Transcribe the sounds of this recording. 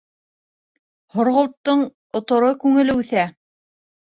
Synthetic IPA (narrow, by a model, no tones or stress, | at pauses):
hŏɾʁŏlˠt̪ːɤɴ | ŏt̪ŏɾɤkʉŋɘ̆lɘʉθæ